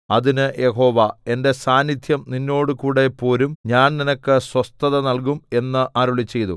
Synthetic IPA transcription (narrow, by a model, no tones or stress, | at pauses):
ɐðinɨjʔe̞ɦo̞ːʋɐe̞nde̞saːnːid̪ʰʱjɐmninːo̞ːɽɨkuːɽe̞pːo̞ːɾumɲaːnninɐkːɨswɐst̪ɐðɐnɐɭk̬ume̞nːɨʔaːɾuɭit͡ɕːe̞jt̪ṵ